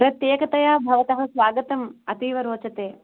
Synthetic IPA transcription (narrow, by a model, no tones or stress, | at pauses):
pɾɐt̪jeːkɐt̪ɐjaːbʱɐʋɐt̪ɐɦɐsʋaːɡɐt̪ɐmɐt̪iːʋɐɾoːt͡ʃɐt̪eː